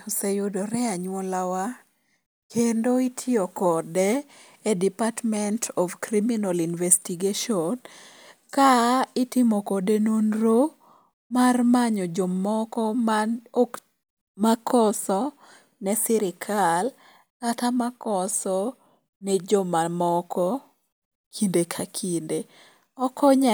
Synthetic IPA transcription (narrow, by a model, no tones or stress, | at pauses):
osejodoɾɛaɲwɔlawa | kʰendoitʰiokɔdɛː | dipatmɛntʰɔfkɾiminalinvɛstiɡeʃɔn | kaɪtɪmɔkɔdenonɾo | marmaɲɔd͡ʒɔmɔkɔmaok | makʰɔsɔ | nɛsɪɾɪkʰal | katamakɔsɔ | nɛd͡ʒɔmamɔkɔ | kʰindekʰakʰinde | ɔkɔɲa